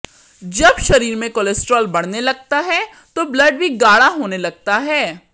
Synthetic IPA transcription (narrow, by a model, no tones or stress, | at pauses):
d͡ʒɐbʃɐɾiːɾmẽkolesʈɾoːlbɐɽ̤nelɐɡ̚t̪aɦɛ | t̪oblɐɖ̚bʱiɡaːɽaɦoːnelɐɡ̚t̪aɦɛː